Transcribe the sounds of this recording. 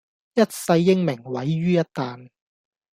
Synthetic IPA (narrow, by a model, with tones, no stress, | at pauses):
jɐ˥t̚sɐ˧jːɪ˥ŋmɪ˨˩ŋwɐ˨˥jɥyː˥jɐ˥t̚t̪aː˨n